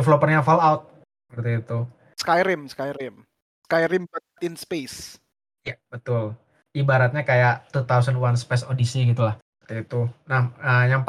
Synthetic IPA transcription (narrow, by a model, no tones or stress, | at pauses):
flopərnɲafalawt̪̚ | səpərt̪iːt̪u | skajɾɪmskajɾɪm | skajɾɪmbət̪̚ɪnspes | jabət̪ʊl | ibaɾat̪̚ɲakajaʔt̪ut̪awsənwanspɛsodisiɡit̪ulah | ət̪iit̪unahəjaŋp